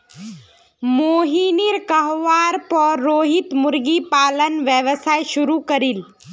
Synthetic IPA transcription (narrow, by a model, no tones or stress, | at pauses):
moːɦiːniɾkɐɦʋaːɾpɔɾːoːɦɪt̪mʊɾɡipaːlənʋjəʋəsaːjʃʊɾukɐɾil